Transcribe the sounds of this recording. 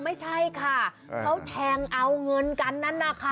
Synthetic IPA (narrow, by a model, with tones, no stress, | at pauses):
ma˥˩jt͡ɕʰa˥˩jkʰa˥˩ | kʰa˦˥wt̪ʰɛː˧ŋʔa˧wŋɤ˧nka˧nːa˥˨nːa˧˩kʰa˧˥˩